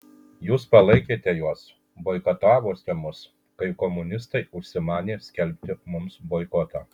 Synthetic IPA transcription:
juːspɐlˠɐɪkʲeːt̪ʲɛjuɔs | boɪkɐt̪ɑːʋoːsʲt̪ʲɛmʊs | kɐɪkɔmʊnʲɪst̪ɐɪʊʃʲsʲɪmɑːnʲeːsʲkʲɛlʲpʲt̪ʲɪmʊmsboːɪkɔt̪ɑ̰ː

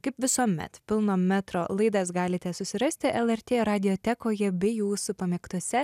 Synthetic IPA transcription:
kɐɪpʋʲɪsuːmʲɛ̰t̪pʲɪlˠnoːmʲæt̪ɾoːlˠɐɪd̪ɐsɡɑːlʲɪt̪ʲɛsʊsʲɪɾɐsʲt̪ʲɪʔɛlˠɛɾʲt̪ʲeːɾɑːd̪ʲɪjot̪ʲɛkoːjɛbʲɛjuːsʊpɐmʲɛkt̪ʊsʲɛ

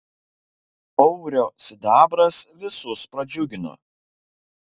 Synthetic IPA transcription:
ɔʊɾʲoːsʲɪd̪ɑːbɾɐsʋʲɪsʊspɾɐd͡ʒʲʊɡʲɪno̰

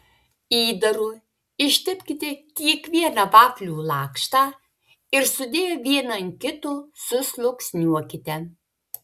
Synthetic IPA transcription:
iːd̪ɐɾuː | ɪʃʲt̪ʲɪpʲkʲɪt̪ʲɪkʲiɛkʋʲiɛnɑʋɑːklʲuːlˠɑːkʃt̪ɑː | ɪɾsʊd̪ʲeːjoːʋʲiɛnɐnkʲɪt̪uːsʊslˠʊksʲnʲuɔkʲɪt̪ʲɛ

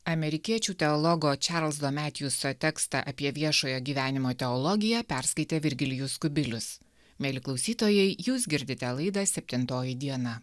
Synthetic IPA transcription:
ɐmʲɛɾʲɪkʲiɛt͡ʃʲuːt̪ʲɛɔlˠɔɡoːt͡ʃʲɑɾlʲˠsd̪oːmʲæːt̪ʲjuːsot̪ʲɛkst̪ɑ̰ʔɐpʲiɛʋʲiɛʃoːjoːɡʲiːʋʲæːnʲɪmoːt̪ʲɛɔlˠɔɡʲɪjɛpʲæɾskɐɪt̪ʲeːʋʲɪɾʲɡʲɪlʲɪjʊskʊbʲɪlʲʊs | mʲeːlʲɪklˠɒʊsʲiːt̪oːjɛɪjuːsɡʲɪɾʲd̪ʲɪt̪ʲɛlˠɐɪd̪ɑsʲɛpʲt̪ʲɪnt̪oːjɪd̪ʲiɛnɑ

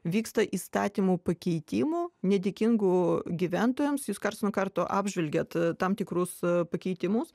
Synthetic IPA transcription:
ʋʲiːkst̪ɐʔiːst̪ɑːt̪ʲiːmuːpɐkʲɛɪt̪ʲɪmuːnʲɛd̪ʲɪkʲɪŋɡuːɡʲiʋʲænt̪oːjɛmsjuːskɐɾtsnokɐrt̪oːʔɑ̰ːbʲʒʲʋʲɛlʲɡʲɛt̪t̪ɑmt̪ʲɪkɾʊspɐkʲɛɪt̪ʲɪmʊs

